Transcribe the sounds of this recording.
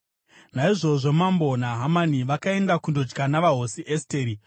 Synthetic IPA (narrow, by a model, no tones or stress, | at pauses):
naiʐo̞ʐo̞mambo̞naɦamaniʋakae̞ndakundo̞d͡ʒɡanaʋaɦo̞siʔesteːɾi